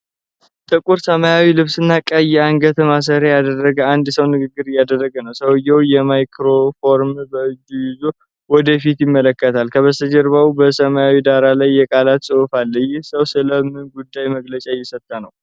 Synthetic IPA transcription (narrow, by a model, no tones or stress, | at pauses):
t̪ʼɨkʼuɾsəmajawilɨβsɨnːakʼəjɛaŋɡət̪ʰəmas̬əɾejad̪ərːəɡəand̪səwnɨɡɨɡːɨɾɨjːad̪ərːəɡənəwsəwɨjːɛwjɛmajkʰɾofo̞ɾmbəɨd͡ʒːujɪzo | wɔd̪əfit̪jɪmːələkːət̪ʰalkʰəβəsəd͡ʒəɾβaubəsəmajawid̪aɾalajːɛkʼalat̪sʼɨufalːəjːɪhsəwsɨləmɨnɡud̪ːajməɡlət͡ʃʼajːɛsət̪ʼːanəw